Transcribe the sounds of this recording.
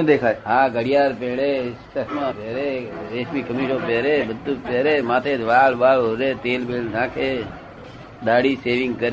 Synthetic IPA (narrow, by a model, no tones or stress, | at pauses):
d̪ekʰajɦãːɡəɽijaːɾpeːɭessəkmãːpeːɾeeːʃbikəmiːʃopeːɾeːbəd̪ːupeːɾemãːt̪ʰeʋaːlʋaːɭoɾet̪eːlbeːlnãːkʰe | d̪aːɽiseːʋɪŋɡkəɾe